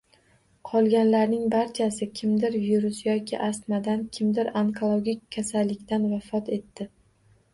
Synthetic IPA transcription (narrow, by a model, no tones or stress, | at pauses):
qʰɒlˠɡʲanlaɾnɪŋbaɾt͡ʃʰasɪkʲʰɪmd̪ɪɾviɾʊsjɒkʲʰɪ̰ʔast̪mad̪ankʲʰɪmd̪ɪɾaŋkʰolˠoɡʲikʲʰːasalːɪkʲt̪ʰanvafɒt̪ʰe̞t̪ːɪ